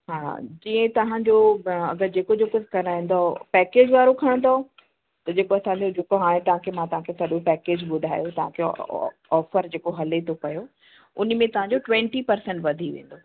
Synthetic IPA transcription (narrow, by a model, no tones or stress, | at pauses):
ɦa̰ːd͡ʑĩːə̃t̪ɐʋ̤ãd͡ʑoɐ̰ɡəɾd͡ʑeːkod͡ʑeːkokɐɾaːĩːn̆d̪opɛːkeːd͡ʑʋaːɾokʰɐɽ̃nd̪o | t̪ɐd͡ʑeːkoɐsãːɲd͡ʑod͡ʑeːkoɦaːɽ̃ẽt̪ɐʋ̤ãkʰemãt̪ɐʋ̤ãkʰesɐɗõpɛːkeːd͡ʑɓʊd̪ʱaːjot̪ɐʋ̤ãkʰe | ɔːfəɾd͡ʑeːkoɦɐlet̪ʰokɐjo | ʊn̆mẽt̪ɐʋ̤ãɲd͡ʑoʈʋɛ̃ɳʈipɐɾsɛ̃ɳʈʋɐd̪ʱiʋḛ̃ːn̆d̪oː